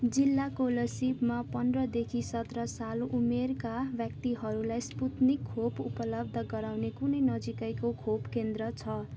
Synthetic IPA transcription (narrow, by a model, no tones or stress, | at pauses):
d͡zilːakolʌsibmapʌndrʌd̪ekʰisʌt̪rʌsalʔumerkabjʌkt̪iɦʌɾulajsput̪nikʰːopupʌlʌb̚d̪ʱʌɡʌɾawnekunʌjnʌd͡zikajkokʰobkend̪rʌt͡sʰʌ